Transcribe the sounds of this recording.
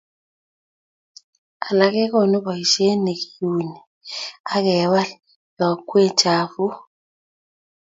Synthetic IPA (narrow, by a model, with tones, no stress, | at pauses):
a˨la˦k̬ɛ˦k̬ɔ˦˨nu˦bɔ˨i˨ʃe˦ne˨ki˦ju˨ni˨ | a˦kɛ˨˦wa˦l | ja˨kwe̥˦d͡ʒaː˨vu˦